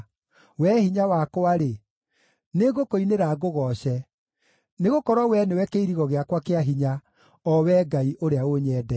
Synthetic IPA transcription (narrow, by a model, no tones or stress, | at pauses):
wɛhiɲawakwaɾe | neɣokoineɾaɡoɣɔɕɛ | neɣokɔɾwɔwɛnewɛkeiɾiɣɔɣeakwakeaɦiɲa | ɔwɛɡaiʔoɾeaoɲɛːdɛ